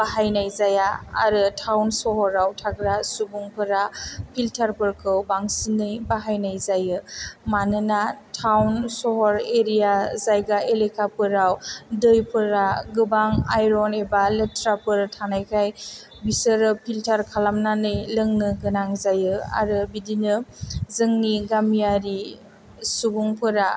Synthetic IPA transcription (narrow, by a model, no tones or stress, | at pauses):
baɦajnajzaja̰ːɾɯtʰawnsɔɦɔɾawtʰaɡɾasubuŋpʰɯɾapʰiltʰaɾpɯɾkʰɯwbaŋsinɯjbaɦajnajzajɯmanɯnatʰawnsɔɦɔɾeɾijazajɡaelekʰapɯɾawdɯjpʰɯɾaɡɯbaŋajɾɔnebaletɾapɯɾtʰanajkʰaj | bisɯɾɯpʰiltʰaɾkʰalamnanɯjlɯŋnɯɡɯnaŋzajɯa̰ɾɯbidinɯzɯŋniɡamijaɾi | subuŋpʰɯɾa